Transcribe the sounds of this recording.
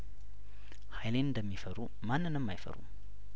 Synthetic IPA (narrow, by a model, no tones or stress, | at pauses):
hajlenid̪amifəɾu | manənəmːajfə̰ɾṵ